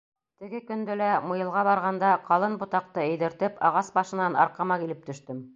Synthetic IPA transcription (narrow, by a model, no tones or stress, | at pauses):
t̪ɘ̆ɡɘkɵ̆nd̪ælæmɤ̆jɤ̆lˠʁɑβɑɾʁɑnd̪ɑqɑlˠɤnbŏt̪ɑq̚t̪ɤɘ̆jðɘ̆ɾt̪ɘpɑʁɑsbɑʃɤ̆nɑnɑ̰ɾqɑmɑkilɘp̚t̪ɵ̆ʃt̪ɘm